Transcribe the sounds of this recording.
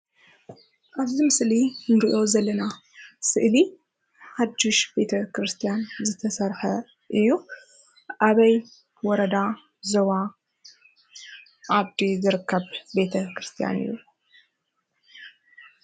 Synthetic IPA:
ʔaβzimɨslinɡiʔo̞zɐlːɐna | sɨʔli | ħad̪ːuʃb̥e̞t̪ʰɐkɾɨst̪ʰijanzɨt̪ʰɐsɐɾħɐ | ʔɨjːu | ʔaβɐj | wɔɾɐd̪a | zoβa | ʔaβd̪izɨɾɨkʰːɐβbe̞t̪ʰɐkɾɨst̪ʰija̰nɨ̰jːu

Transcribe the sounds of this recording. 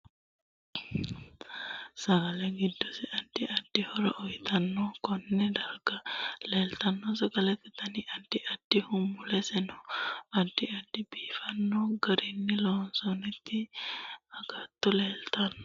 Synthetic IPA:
sɐɡɐlɛɡɪd̪ːɔsɪʔɐd̪̥ːɪʔɐd̪̥ːɪhɔɾɐ̰ʔɔjt̪ɐnːɔkɔnːɛd̪ɐɡɐleːlt̪ɐnːɔs̬ɐɡɐlɛt̪ːɪt̪ːɐnɪʔɐd̪ːɪʔɐd̪̥ːɪhʊmːʊlɛsɛnɔɐd̪ːɪɐd̪ːɪbiːfɐnːɔɡɐɾɪnːɪlɔːnsɔnɛt̪ːɪ | ɐɡɐt̪ːɔleːlt̪ɐnːɔ

